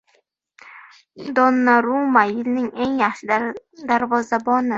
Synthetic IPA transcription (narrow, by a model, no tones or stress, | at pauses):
d̪ɒnːaɾumajɪlnɪŋe̞ŋjɑχʃɪd̪aɾvɒzabɒnɪ